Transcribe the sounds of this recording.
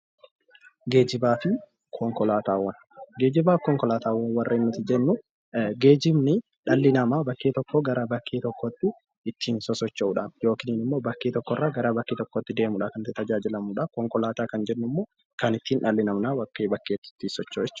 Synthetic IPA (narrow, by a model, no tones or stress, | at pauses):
ɡe̞ːd͡ʒɪbaːt̪ɪ | kʰɔŋkɔlaːt̪aːwːɐn | ɡe̞ːd͡ʒɪbaːkɔŋkɔlaːt̪aːwɐnwɐrːʔeːnːʊt̪ɪd͡ʒɛnːʊ | ɡe̞ːd͡ʒɪmnɪ | ᶑɐlːɪnɐmaːbɐkːeːt̪ɔkːoɡɐɾɐbɐkʰːeːt̪ɔkːɔt̪ːɪ | ɪt̪ʰːiːnsɔsɔt͡ʃːɐuːᶑaːnjo̞ːkɪniːnɪmːo̞ːbɐkːeːt̪ɔkːɔrːaɡɐɾaːbɐkːeːt̪ɔkːot̪ːɪd̪e̞ːmʊᶑakɐnt̪ɪt̪ɐd͡ʒaːd͡ʒɪlɐmuːᶑakɔŋkɔlaːt̪aːkɐnd͡ʒɛnːʊmːoː | kɐnɪt̪ːiːnᶑɐlːɪnɐmnaːbɐkːeːbɐkːeːt̪ːɪ̥t̪ːɪsɔt͡ʃːoːɛt͡ʃː